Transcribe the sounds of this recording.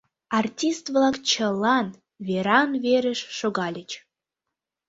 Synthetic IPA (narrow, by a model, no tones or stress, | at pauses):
ɑrtʲist̪vlɑkt͡ɕəlˠɑn | veɾɑnveɾəʃʃoɣɑlʲət͡ɕ